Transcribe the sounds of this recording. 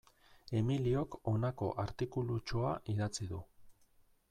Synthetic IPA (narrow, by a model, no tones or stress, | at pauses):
e̞milio̞ko̞nako̞̰ʔaɾt̪ikulut͡ʃoa̰ʔiðat͡siðu